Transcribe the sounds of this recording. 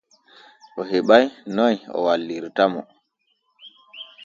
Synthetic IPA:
ʔɔɦeɓajnɔjɔ̰walːiɾtamɔ

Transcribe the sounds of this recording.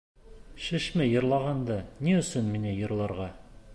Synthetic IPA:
ʃɘ̆ʃmɘjɤ̆ɾlˠɑʁɑnd̪ɑniɵ̆sɵnminɘjɤ̆ɾlˠɑɾʁɑ

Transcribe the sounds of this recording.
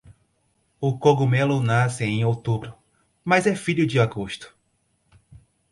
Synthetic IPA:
ʊkoɡumelʊnasɪẽj̃ot̪ubɾʊ | mazɛfiʎʊd͡ʒɪaɡoʃt̪ʊ̥

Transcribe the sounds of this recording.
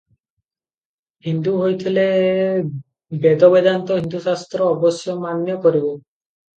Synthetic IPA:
ɦind̪uɦojt̪ʰile | bed̪ɔbed̪ant̪ɔɦind̪usast̪ɾɔːbɔsjɔmanjɔkɔɾibɔ

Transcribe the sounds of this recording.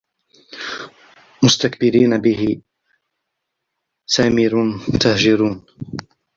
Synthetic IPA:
mʊst̪akbɪɾiːnabɪhɪ | saːmiɾʊnt̪ahd͡ʒɪɾuːn

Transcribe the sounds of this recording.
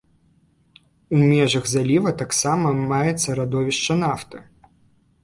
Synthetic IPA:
umʲɛʐɐɣzalʲivɐt̪aksamɐmajɛt̪sːɐɾad̪ɔvʲiʂt͡ʂɐnaft̪ɨ

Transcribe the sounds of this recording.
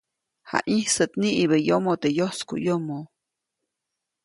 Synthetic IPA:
ha̰ʔihsɨt̪niʔibəjomot̪ejoskṵjomo

